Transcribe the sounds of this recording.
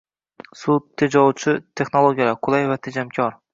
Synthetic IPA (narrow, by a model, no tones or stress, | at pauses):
sut̪ʰːed͡ʒɒwt͡ʃʰɪt̪ʰe̞χnolˠoɡʲijalaqʰʊlˠajvat̪ʰed͡ʒamkʲʰɒɾ